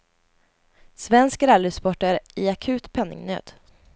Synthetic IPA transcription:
svɛnskɾalʏspɔʈːəɾɪakʰʉ̟ːt̪pʰɛnːɪ̰ŋnø̰ːd̪̥

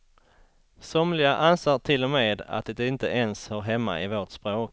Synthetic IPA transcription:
sɔmlɪɡaʔanseːʈ̪ʰɪlːɔmeːd̪a̰t̪̚d̪ɛd̪ɪnt̪əʔɛnshɔɾɦɛmːa̰ɪvoːʈspɾoːk

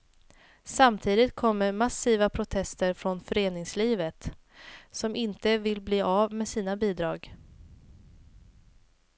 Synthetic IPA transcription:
samt̪ʰiːd̪ɪt̪̚kʰɔmːəɾmasiːvapʰɾʊt̪ʰɛst̪əɾfɾɔnfœɾeːnɪŋsliːvət̪ | sɔmʔɪnt̪əvɪlbliːavmeːsiːnabiːd̪ɾɑːɡ

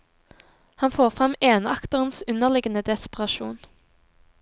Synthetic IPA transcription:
hɑnfoːʁfʁɑmeːnɑkt̪əʁən̩sʉnəʁlɪɡənəd̪ɛspəʁɑʃuːn

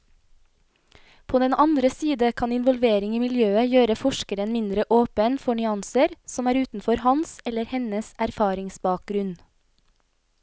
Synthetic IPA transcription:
pʰoːd̪ɛnʔɑnd̪ɾəsiːd̪əkʰɑnɪnʋɔlʋeːɾɪŋiːmɪljøːəjøːɾəfɔʃkəɾənmɪnd̪ɾəʔoːpənfɔɳʏɑnsəɾsɔmæːɾʉːt̪n̩fɔɾhɑnsɛləɾhɛnəsæɾfɑːɾɪŋsbɑːk̚ɡ̥ɾʉn

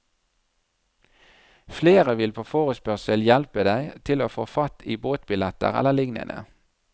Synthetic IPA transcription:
fleːʁəʋɪlpʰoːfoːʁəspœʁsəljɛlpəd̪æɪt̪ʰɪloːfoːfɑt̪iːboːt̪bɪlɛt̪ə̰ʁɛ̰ləlɪŋnə̰nə̰

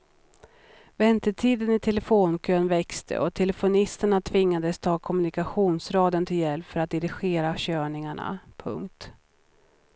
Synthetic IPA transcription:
vɛnt̪əʈʰiːd̪ənɪt̪ʰɛlɛfoːnkʰøːnvɛkst̪ʰə̰ʔɔt̪ʰɛlɛfʊnɪst̪əɳat̪ʰvɪŋːad̪əst̪ʰɑːkʰɔmɵnɪkaɧuːnsɾɑːd̪ənt̪ʰɪljɛlpfœɾat̪̚d̪ɪɾɪɧeːɾaɕøːɳɪŋaɳa̰pʰɵ̰ŋkt̪

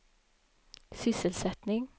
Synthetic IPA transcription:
sʏsəlsɛt̪nɪŋ

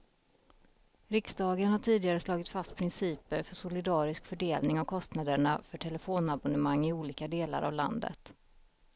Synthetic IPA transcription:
ɾɪksd̪ɑːɡənhaʈʰiːd̪ɪɡaɾəslɑːɡɪt̪fast̪̚pʰɾɪnsiːpəɾfœʂʊlɪd̪ɑːɾɪskfœɖeːlnɪŋavkʰɔst̪nad̪əɳafœʈʰɛlɛfoːnabɔnəmaŋːɪuːliːkad̪eːla̰ɾʔa̰vla̰nd̪ə̰t̪

